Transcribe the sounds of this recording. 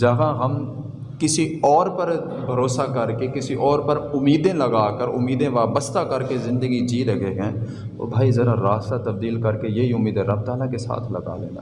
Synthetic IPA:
d͡ʒɐɦaɦɐm | kɪsiɔːɾpəɾ | bʱɐɾoːsakɐɾkekɪsiʔɔːɾpɐɾʊmːiːd̪ẽlɐɡaːkəɾʊmːiːd̪ẽʋaːbəst̪akɐɾkezɪ̃nd̪əɡid͡ʒiːɾɐɡeɡɛ̃ | t̪o̰ːbʱaːizɐɾaɾaːst̪at̪ɐb̚d̪iːlkɐɾkejeɦiʊmːiːd̪ẽɾɐb̚t̪aːlakesa̰ːt̪ʰlɐɡa̰lḛːna̰ː

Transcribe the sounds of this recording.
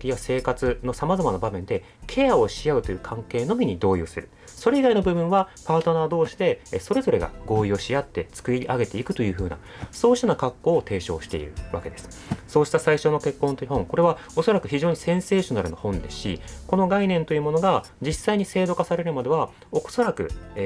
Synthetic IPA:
kʲijase̞ːkat͡sɨno̞samazamanabamẽ̞nd̪e̞ | kʰe̞jao̞ɕijaɯ̟t̪o̞jɯ̟ːkʰãŋke̞ːno̞mʲiɲ̟id̪o̞ːjɯ̰ːsɨɾɯ̟ | so̞ɾe̞iɡaino̞bɯ̟bɯ̟̃ɰ̃βapaːt̪o̞naːd̪o̞ːɕi̥d̪e̞so̞ɾe̞zo̞ɾe̞ɡa̰ɡo̞ːio̞ɕijat̪ːe̞t͡sɨ̥kɯ̟iɾʲiʔaɡe̞t̪e̞ikɯ̟t̪o̞jɯ̟ːɸɯ̟ːna̰ | so̞ːɕi̥t̪onakakːo̞ːt̪e̞ːɕo̞̰ːɕi̥t̪e̞ḭɾɯ̟̰βa̰ke̞d̪e̞sɨ̥ | so̞ːɕi̥t̪asaiɕo̞no̞ke̞kːõ̞nt̪ojɯ̟hõ̞ŋko̞ɾe̞β̞a | o̞so̞ɾakɯ̟çiʑo̞ːɲ̟isẽ̞ɰ̃se̞ːɕo̞naɾɯ̟no̞̰hõ̞nd̪e̞̥sɨ̥ɕḭko̞no̞ɡainẽ̞nt̪o̞jɯ̟mo̞no̞ɡa | d͡ʑisːaiɲ̟ise̞ːd̪o̞kasaɾe̞ɾɯ̟mad̪e̞βa | oso̞ɾakɯ̟̰

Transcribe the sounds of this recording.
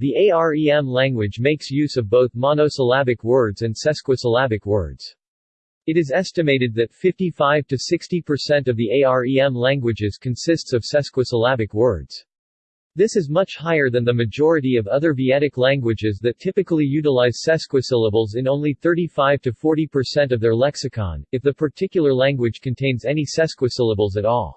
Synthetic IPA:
ðieɪɑɹiɛ̃mlæ̃ŋɡwɨd͡ʒmeɪksjʉzʌvboʊθmɑnosəlæbɨkwɜ˞dzɨ̃nsɛskwəsəlæbɨkwɜ̰˞dz̥ | ɨɾɨzɛstɨmeɪɾɨd̪̚ðɨtfɪftifaɪv̥tʰɨsɪkstipʰə˞sɛ̃ntʌvðieɪɑɹiɛ̃mlæ̃ŋɡwɨd͡ʒɨz̥kʰɨ̃nsɪstsʌv̥sɛskwəsəlæbɨkwɜ˞dz̥ | ðɪsɨzmʌt͡ʃhaɪə˞ðɨ̃nðɨmɨd͡ʒɔɹɨɾiʌvʌðə˞viɛɾɨklæ̃ŋɡwɨd͡ʒɪzðɨtʰɪpɨkl̩ˠijʉɾəlaɪz̥sɛskwɨsɪlˠəbl̩ˠzɨ̃nõʊ̃nliθɜ˞ɾifaɪv̥tʰɨfɔɹɾipʰə˞sɛ̃ntʌvðə˞lɛksɨkʰɑ̰̃nɨfðɨpʰə˞tʰɪkjl̩ˠə˞læ̃ŋɡwɨd̥ʒ̥kʰɨ̃n̩tʰẽɪ̃nzɛnisɛskwɨsɪlˠəbl̩ˠzɨɾɔ̰lˠ

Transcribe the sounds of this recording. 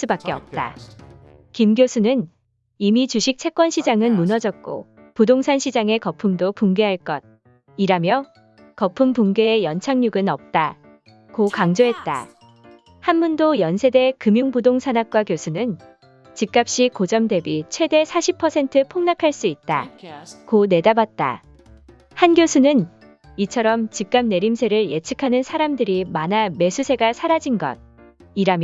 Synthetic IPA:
s͈ubak͈̚e̞ʌ̰p̚t͈a̰ | kimɡjosʰunɯn | imit͡ɕuɕʰik̚t͡ɕʰe̞k͈ʌnɕʰid͡ʑaŋɯnmunʌd͡ʑʌk̚k͈o̰ | pudoŋsʰanɕʰid͡ʑaŋe̞kʌpʰumdopuŋɡeɦaɭk͈ʌd̚ | iɾamjʌ | kʌpʰumpuŋɡeːjʌnt͡ɕʰaŋɲuɡɯnʌp̚t͈a | kokaŋd͡ʑoɦe̞t̚t͈a̰ | hanbundojʌnsʰe̞de̞kɯmjuŋbudoŋsʰanak̚k͈wakjosʰunɯn | t͡ɕik̚k͈ap̚ɕ͈ikod͡ʑʌmde̞bit͡ɕʰwe̞de̞sʰaɕʰipʰːʌsʰe̞ntʰɯpʰoŋnakʰaɭs͈uit̚t͈a̰kone̞dabat̚t͈a̰ | hanɡjosʰunɯn | it͡ɕʰʌɾʌmt͡ɕik̚k͈am̚ne̞ɾimsʰe̞ɾɯɭje̞t͡ɕʰɯ̥kʰanɯnsʰaɾamdɯɾimaname̞sʰusʰe̞ɡasʰaɾad͡ʑinɡʌ̰d̚ | iɾamj

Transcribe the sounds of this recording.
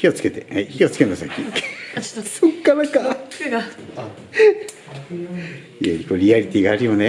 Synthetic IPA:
io̞t͡sɨ̥ke̞t̪eeçiot͡sɨ̥ke̞nosakʲːi | sokːanaka | iaikoːɾʲiaɾʲit̪ʲiɡaːɾʲimone

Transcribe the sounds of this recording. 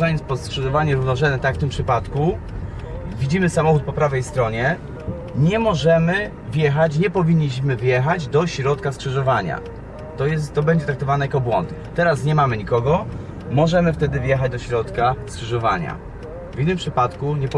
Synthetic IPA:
ɔɲɛspɔskʂɘʐɔvaɲɛɾuvnɔʐɛɛt̪akft̪ɘmpʂɘpat̪ku | vʲid͡ʑimɘsamɔxut̪̚pɔpɾavɛjst̪ɾɔɲɛ | ɲɛmɔʐɛmɘ | vʲjɛxat͡ɕɲɛpɔvʲiɲːiɕmɘvjɛxad͡ʑd̪ɔɕɾɔt̪kaskʂɘʐɔvaɲa̰ | t̪ɔjɛst̪t̪ːɔbɛɲd͡ʑɛt̪ɾakt̪ɔvanɛjakɔbwɔ̰nt̪ | t̪ɛɾasɲɛmamɘɲikɔɡɔ | mɔʐɛmɘft̪ɛd̪ɘvjɛxad͡ʑd̪ɔɕɾɔt̪kaskʂɘʐɔva̰ɲa̰ | vʲinːɘmpʂɘpat̪kuɲɛpɔ

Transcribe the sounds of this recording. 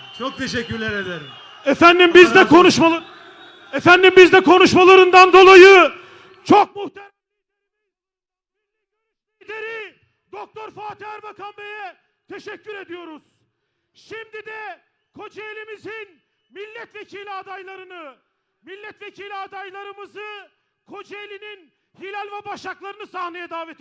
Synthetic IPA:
t͡ʃʰok̚t̪ʰeʃɛcːyɾlʲɛɾed̪eɾim | ɛfænd̪imbizd̪ɛkʰo̞nuʃmaa | ɛfænd̪imbizd̪ɛkʰo̞nuʃmalˠaɾɯnd̪and̪o̞lˠajɯ | t͡ʃʰok̚muht̪ʰe | d̪eɾi | d̪ok̚t̪ʰoɾfaːt̪ʰaɾbakʰanbejɛ | t̪ʰeʃɛcːyɾe̞d̪ijo̞ɾuz̥ | ʃimd̪id̪ɛ | kʰo̞d͡ʒaelʲimizin | milʲːɛt̪vecʰilʲad̪ajlˠaɾɯnɯ | milʲːɛt̪vecʰilʲiad̪ajlˠaɾɯmɯzɯ | kʰo̞d͡ʒaelʲinin | hilʲælʲvɛbaʃlaklˠaɾɯnɯsahnajɛd̪aːvɛt̪ʰ

